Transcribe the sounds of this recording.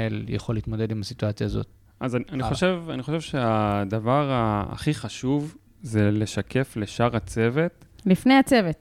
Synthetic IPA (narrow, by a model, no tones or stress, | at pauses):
eljḛχo̞liːt̪mo̞d̪e̞d̪imhasit̪uat͡sjaːzo̞̰t̪ | ʔazaaniχoʃevaniχoʃevʃead̪avaʁaa̰χiχaʃuv | zele̞ʃakʰe̞fleʃaʁat͡se̞ve̞t̪lifnejat͡se̞vet